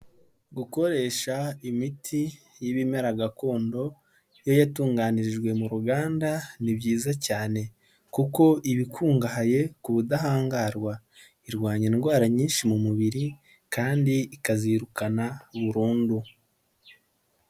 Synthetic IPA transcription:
ɡuko̞ɾe̞ːʃaimitʰi | jiβimeɾaɡako̞ːndo̞ | jo̞jatuːŋɡaniɾiʒɡwe̞muɾuɡaːndanibɟiːzacaːne̞ | kuko̞ʔiβikʰuːŋɡaɦaje̞kuβudaɦaːŋɡaɾɡwa | iɾɡwaːɲinɡwaːɾaɲiːnʃimumuβiɾi | kaːndiikaziɾukanaβuɾuːndu

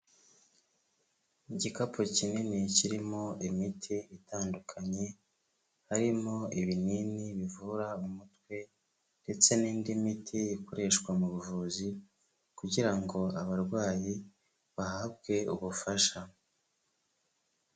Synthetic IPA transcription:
iɟikapʰocininiciɾimo̞imitʰiːtaːndukʰaɲe̞ | haɾimo̞iβininiβivuɾaumutwe̞ | nde̞t͡se̞niːndimitʰiːko̞ɾe̞ʃkwamuβuvuːzi | kuɟiɾaŋɡo̞aβaɾɡwaːji | βahabɡe̞uβufaʃa

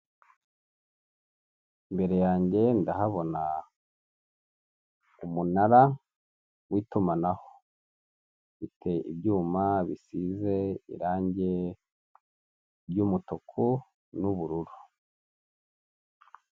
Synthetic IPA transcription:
imbe̞ɾe̞jaːɲɟe̞ndahaβo̞na | umunaɾa | wiːtumanaho | βitʰe̞ibɟuːmaβisize̞ḭɾaːɲɟe̞ | bjuːmutokʰu | nuβuɾuɾu

